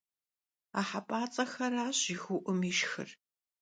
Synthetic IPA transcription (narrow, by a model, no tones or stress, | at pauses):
a̰ːħapʼaːt͡sʼɐxɐɾaːɕixʊʔʊmiʃxɨ̰r